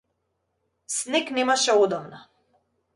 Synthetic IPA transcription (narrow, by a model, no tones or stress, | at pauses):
snɛknɛmaʃɛod̪ɔmna